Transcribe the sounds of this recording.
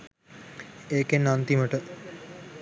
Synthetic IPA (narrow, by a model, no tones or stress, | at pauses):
eːkenant̪iməʈə